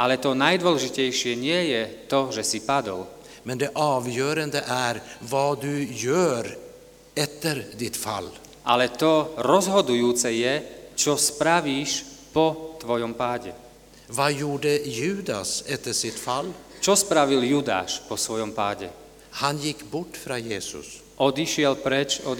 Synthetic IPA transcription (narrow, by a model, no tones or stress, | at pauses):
ʔalɛt̪ɔnajd̪ʋɔlɛʒicɛjʃɪɛɲɪɛjɛt̪ɔʒɛsipad̪ɔ̰l | mɛnd̪ɛʔɑːʋjœːɾand̪əʔæɾvɑːd̪ʉjøːɾ | ɛt̪ːəɾd̪ɪt̪fa̰lː | ʔalɛt̪ɔɾɔzɦɔd̪ujuːt͡sɛjɛt͡ʃɔspɾaʋiːʃpɔt̪ʋɔjɔmpaːɟɛ̰ | vaːjuːɖəjʉ̟ːd̪a̰sɛt̪ːəsɪt̪falːt͡ʃɔspɾaʋiljuːd̪a̰ːʃpɔsʋɔjɔmpaːɟɛ̰ | hanjɪkːbɔʈːfɾaːjeːsʊ̰s | ʔɔd̪iʃɪɛlpɾɛt͡ʃɔ